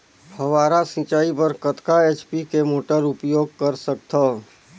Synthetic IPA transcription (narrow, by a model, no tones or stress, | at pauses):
hɐʋaːɾasĩːt͡ʃaːipəɾkət̪kaeːt͡ʃpikemoːʈəɾʊpjoːɡ̚kəɾsək̚t̪ʰaː